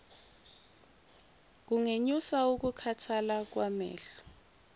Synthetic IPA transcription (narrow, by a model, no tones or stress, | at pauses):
k̬uŋeɲusauk̬ukʰatʰalak̬wamɛ̰ːɬɔ̥